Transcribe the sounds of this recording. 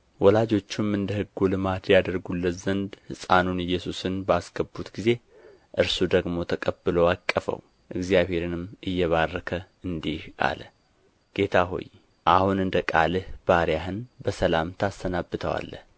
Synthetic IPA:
wɔlad͡ʒo̞t͡ʃːɪmːɨnd̪əhɨɡːulɨmat̪jad̪əɾɡulːət̪zənd̪hɨsʼanunɨjːɛsusɨnbaskʰəbːut̪ɡize̞ | ʔɨɾsud̪əɡmo̞t̪ʰəkʼəbːɨlowakʼːəfə̰w | ʔɨɡzijaβhe̞ɾɨnɨmːɨjːɛβarːəkʰə | ɨnd̪iha̰lə̰ | ɡ̥e̞t̪ʰaɦo̰j | ʔahunɨnd̪əkʼalɨhb̥aɾijaɦɨnbəsəlamt̪ʰast̪ʰənabːɨt̪ʰəwa̰lːə̰h

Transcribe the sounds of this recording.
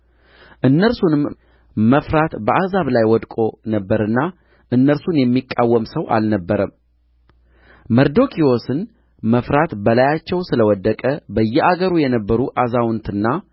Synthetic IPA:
ʔɨnːəɾsunɨm | məfɾat̪bəʔazaβlajwɔd̪kʼo̞nəbːəɾɨnːa | ʔɨnːəɾsunjɛmːikʼːawːəmsəwʔa̰lnəbːəɾəm | məɾd̪o̞kʰio̞sɨn | məfɾat̪bəlajat͡ʃːɛwsɨləwɔd̪ːəkʼəbəjːɛaɡəɾujɛnəbːəɾuʔazawʊnt̪ɨnːa

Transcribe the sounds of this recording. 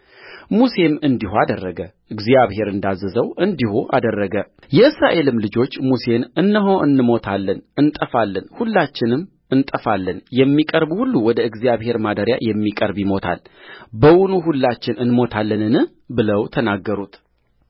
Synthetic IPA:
muse̞mɨnd̪ihuad̪ərːəɡə | ɨɡzjaβɦe̞ɾɨnd̪azːəzəwʔɨnd̪ihuʔa̰d̪ərːəɡə | jɛɨsɾaʔe̞lɨmlɨd͡ʒo̞t͡ʃːmuse̞nɨnːəɦo̞ʔɨnːɨmo̞t̪ʰalːənɨnt̪ʼəfalːənhulːat͡ʃːɪnɨm | ɨnt̪ʼəfalːənjɛmːikʼəɾbhulːuwɔd̪əɨɡzijaβhe̞ɾmad̪əɾja̰jɛmːikʼəɾbjimo̞t̪ʰa̰l | bəwʊnuɦulːat͡ʃːɪnɨnmo̞t̪ʰalːənɨnɨh | bɨləwt̪ʰənaɡːəɾut̪

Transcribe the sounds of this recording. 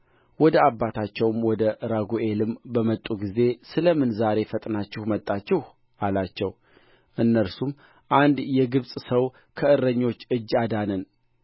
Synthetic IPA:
wɔd̪əabːat̪ʰat͡ʃːɛwmwɔd̪əʔɾaɡuʔe̞lɨmbəmət̪ʼuɡize̞sɨləmɨnzaɾe̞fət̪ʼnat͡ʃːɪhmət̪ʼːat͡ʃːɪh | ʔalat͡ʃːɛw | ʔɨnːəɾsum | ʔand̪jɛɡɨβsʼsəw | kʰəɨrːəɲːo̞t͡ʃːɨd͡ʒːad̪anən

